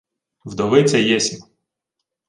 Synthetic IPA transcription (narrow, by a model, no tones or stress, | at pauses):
wd̪ɔʋɪt͡sʲɛjɛsʲim